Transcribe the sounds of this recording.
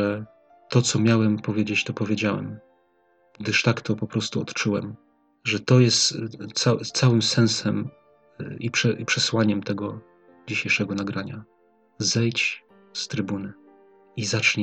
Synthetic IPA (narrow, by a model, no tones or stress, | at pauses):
ɛ | t̪ɔt̪sɔmʲjawɛmpɔvʲjed͡ʑet͡ɕt̪ɔpɔvʲjed͡ʑawɛ̰m | ɡd̪ɘʂt̪akt̪ɔpɔpɾɔst̪uɔt̪t͡ʂuwɛm | ʐɛt̪ɔjɛst̪sasawɘmsɛ̃ñsɛm | ipʂɛʔipʂɛswaɲɛmt̪ɛɡɔ | d͡ʑiɕejʂɛɡɔnaɡɾaɲa | zɛjt͡ɕ | st̪ɾɘbunɘ | izat͡ʂɲɛ